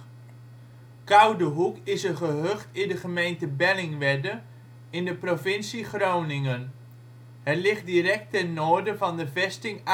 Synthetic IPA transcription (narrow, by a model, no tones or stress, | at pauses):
kʌwdəɦukɪsəχəɦøχtɪndəχəmejntəbɛlɪŋʋɛdə | ɪndəprovɪnsiχrownɪŋən | ɦɛrlɪχ̚dirɛk̚tɛnːoːɹdəvɑndəvɛstɪŋ